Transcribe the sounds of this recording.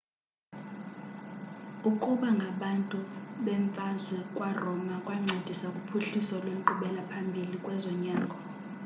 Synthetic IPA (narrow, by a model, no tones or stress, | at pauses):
ukʼuɓaŋɡʱaɓantʼuɓɛɱfʼazwɛkʼwarɔmakʼwaŋ͡ǀʱed̥ʱisakʼupʰuɬisɔlwem̩ǃuɓɛlapʰambʱilikʼwɛzɔɲaːŋɡʱɔ